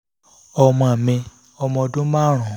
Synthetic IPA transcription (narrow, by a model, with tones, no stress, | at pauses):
ɔ˧mɔ̃˧a˨mĩ˧ | ɔ˧mɔ̃˧dũ˦ma˦˨ɾ̃ɔ̃˨